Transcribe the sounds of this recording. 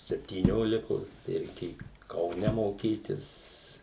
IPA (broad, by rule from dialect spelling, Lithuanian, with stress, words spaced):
sʲɛpʲtʲiːˈnʲoːlʲɪkoːs tɐɪ rʲɛɪˈkʲeːjʊ kɐʊˈnʲɛ moːˈkʲiːtʲɪs